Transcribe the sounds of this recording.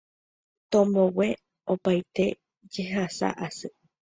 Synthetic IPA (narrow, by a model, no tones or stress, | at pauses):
t̪õmõwe | opajt̪e̞ | d͡ʒeɦasa̰ʔasɨ